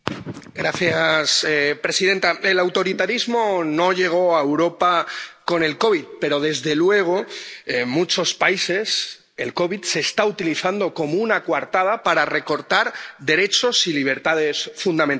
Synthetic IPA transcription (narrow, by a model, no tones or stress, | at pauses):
ɡɾaθjaspɾe̞siðe̞nt̪ae̞lawt̪o̞ɾit̪aɾizmo̞no̞ʎe̞ɣ̞o̞aewɾo̞pako̞ne̞lko̞βit̪̚pe̞ɾo̞ðe̞zðe̞lwe̞ɣ̞o̞ | mut͡ʃo̞spaise̞s | e̞lko̞βit̪se̞ːst̪aut̪iliθand̪oko̞mounakwaɾt̪að̞apaɾare̞ko̞ɾt̪aɾd̪e̞ɾe̞t͡ʃo̞siliβ̞e̞ɾt̪að̞e̞sfund̪amẽn